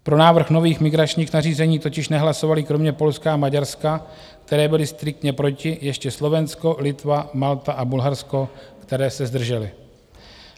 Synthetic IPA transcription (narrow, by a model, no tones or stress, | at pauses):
pɾo̞naːvr̩xno̞viːxmɪɡɾat͡ʃɲiːxnariːzɛɲiːt̪o̞cɪʃnɛɦlaso̞valɪkɾo̞mɲɛpo̞lskaamaɟaɾska | k̚t̪ɛɾɛːbɪlɪst̪ɾɪk̚t̪ɲɛpɾo̞cɪjɛʃcɛslo̞vɛnsko̞lɪt̪vamalt̪aʔabulɦaɾsko̞kt̪ɛɾɛːsɛzd̪r̩ʒɛlɪ